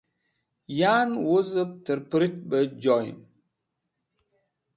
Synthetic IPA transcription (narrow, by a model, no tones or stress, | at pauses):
janwozəp̚təɾpɾit̚bəd͡ʒɔj̰n